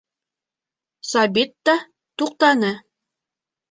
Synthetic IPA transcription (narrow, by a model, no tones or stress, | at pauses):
sɑbit̪ːɑ | t̪uq̚t̪ɑnɤ